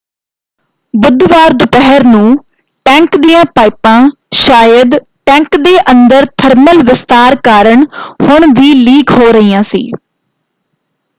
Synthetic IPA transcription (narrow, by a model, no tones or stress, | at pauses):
bʊd̪ʋaːɾd̪ʊpɛɦəɾnũː | ʈɛ̃ːŋkd̪ijãːpaːɪpãː | ʃaːjəd̪ | ʈɛ̃ːŋkd̪eːʔənd̪əɾt̪ʰəɾməlʋɪst̪aːɾkaːɾəɳhʊɳʋiːliːkɦoːɾəiːãːsḭː